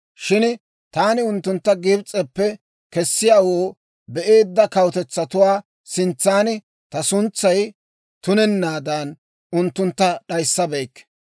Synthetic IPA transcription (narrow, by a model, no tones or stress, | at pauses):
ʃɪn | t̪aːnɪʊnt̪ːʊnt̪ːɐɡɪbt͡sʼːɛpːɛ | kɛsːɪjaːwoː | bɛʔe̞ːd̪ːɐkɐwt̪ɛt͡sːɐt̪ʊwaː | sɪnt͡sːaːnɪ | t̪ɐsʊnt͡sːɐj | t̪ʊnɛnːaːd̪ɐn | ʊnt̪ːʊnt̪ːɐɗɐjsːɐbɛjkː